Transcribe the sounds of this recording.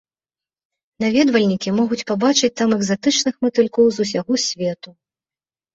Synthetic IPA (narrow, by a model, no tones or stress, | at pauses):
navʲɛd̪vɐlʲnʲikʲimɔɣut͡sʲpabat͡ʂɨt͡sʲt̪amɛɡzat̪ɨt͡ʂnɨxmɨt̪ɨlʲkɔwzus̬ʲaɣɔsʲvʲɛt̪u